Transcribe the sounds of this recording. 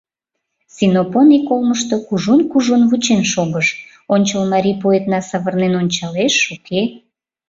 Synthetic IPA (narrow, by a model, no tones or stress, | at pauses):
sinoponikolməʃt̪okuʒunkuʒonβut͡ɕenʃoɣəʃ | onʲt͡ɕəlmɑɾʲipoet̪nɑsɑβərnenonʲt͡ɕɑleʃukʰe